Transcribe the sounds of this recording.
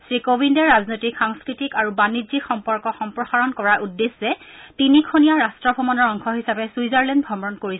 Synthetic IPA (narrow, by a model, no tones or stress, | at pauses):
sɹikobʱindɛɹɹaznojtikxaŋskɹitikaɹubanizikʰxɔmpɔɹkɔxɔmpɹɔxaɹɔnkɔɹaʔudːesɛtinikʰonijaɹastɹɔbʱɔmɔnɔɹɔŋkʰɔɦisapɛsuizaɹlɛndbʱɔmɹɔnkoɹis